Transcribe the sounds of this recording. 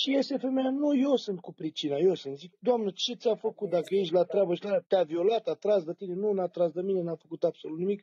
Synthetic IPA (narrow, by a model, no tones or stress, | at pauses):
ʃijest̪efe̞mejanujesɨnt̪̚kupɾit͡ʃinajesɨnt̪zik̚d̪oamnət͡ʃe̞t̪sʲafəkut̪̚d̪akəjeʃ̬lat̪ɾeabəʃlaɾat̪eavio̞lat̪at̪ɾasd̪ət̪ine̞nunat̪ɾas̬d̪əmine̞nafəkut̪ab̥solut̪nimik